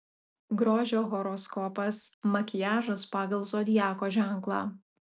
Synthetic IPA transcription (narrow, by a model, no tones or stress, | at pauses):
ɡɾoːʒʲoːɣɔɾɔskɔpɐsmɐkʲɪjæːʒɐspɑːɡɐlˠsoːd̪ʲɪjæːkoːʒʲæˑŋˑklˠɑ̰ː